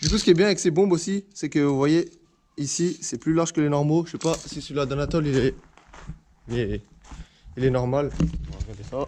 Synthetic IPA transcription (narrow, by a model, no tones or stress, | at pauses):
d̪ykusəkʲiɛbjɛ̃aɛksebɔ̃bosisɛkəvwaje | isisɛplylaʁʒ̥kəlenɔʁmoʃɛpasisəlad̪anat̪ɔlilɛ | lɛ | ilɛnɔʁmal